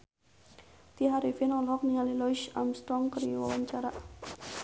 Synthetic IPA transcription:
t̪iɦaɾifɪnɔlɦɔk̚niŋalilɔʃa̰mst̪ɾɔŋkəɾiwa̰waɲt͡ʃaɾa

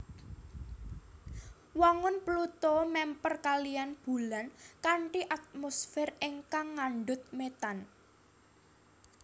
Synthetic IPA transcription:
waŋʊnplut̪ɔmɛmpərkalijanb̥ṳlankaɳʈiʔat̪̚mosfɛreŋkaŋːaɳɖʊt̪̚met̪an

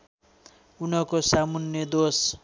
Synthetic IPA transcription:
unʌkosamunjʌd̪os

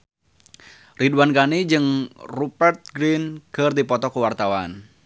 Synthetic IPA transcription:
riduankanid͡ʒɨŋrupɛrt̪̚ɡɾinɡ̥ərd̪ipɔt̪ɔkəwart̪awan

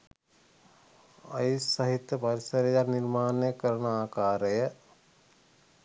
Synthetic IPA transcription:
ajsːɐɦit̪jəpɐɾisəɾejaniɾmaːnejəkəɾənaːkaːɾəjə

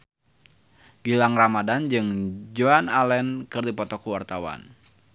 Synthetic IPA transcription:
ɡ̥ilaŋramadand͡ʒɨŋd͡ʒɔanalɛnkɨrdipɔt̪ɔkuwart̪awa̰n

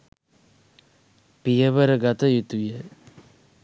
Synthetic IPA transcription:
pijəʋəɾəɡat̪əjut̪ujə

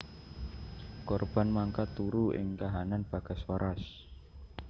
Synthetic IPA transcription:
kɔrb̥a̤nmaŋkat̪uɾuɪ̰ŋk̪aɦananb̥a̤ɡ̥a̤swaɾas

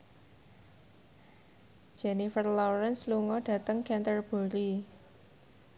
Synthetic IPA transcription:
d͡ʒ̥ɛnifərlɔɾɛnsluŋɔɖ̥ä̤t̪əŋkɛnt̪ərb̥o̤ɾi

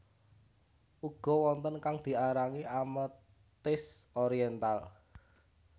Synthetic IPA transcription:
ʔuɡ̥ɔ̤wɔnt̪ənkaŋd̪̥i̤aɾaŋiʔamə | t̪ɪsɔɾiɛnt̪al

